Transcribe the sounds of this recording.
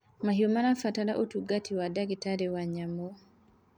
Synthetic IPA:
mahiomanafataɾaʔotuɡatʰiwadaɡitaɾewaɲamo

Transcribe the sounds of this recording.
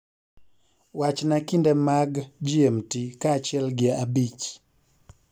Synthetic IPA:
wat͡ʃnakindɛmaɡd͡ʒiɛmtikaːt͡ʃɪɛlɡɪɛabit͡ʃ

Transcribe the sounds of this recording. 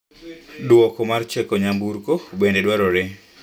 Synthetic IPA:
dwɔkɔmart͡ʃɛkɔɲambuɾkobendedwaɾɔɾɛ

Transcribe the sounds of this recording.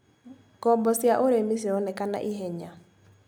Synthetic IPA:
kɔbɔsjaʔoɾemisiɔnɛkana̰ʔiɦɛɲa

